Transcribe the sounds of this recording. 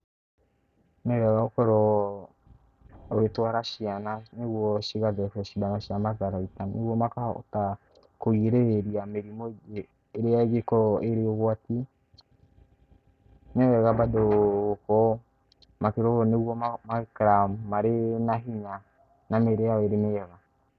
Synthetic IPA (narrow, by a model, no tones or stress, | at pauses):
nɛɾɛɣaokɔɾɔ | ɣetwaɾaʃiananeɣwɔʃiɣaðɛkɛʃidanaʃiamaðaɾaitaneɣwɔmakaɔ̰ta | koieɾeeɾiameɾimoeː | ɾeaeɣekɔeɾeɔɣwati | neɛɣabadoːkɔ | makeɾɔɣɔneɣwɔmamakɾamumaɾenaɦiɲa | nameɾeaɔeɾeneɛɣa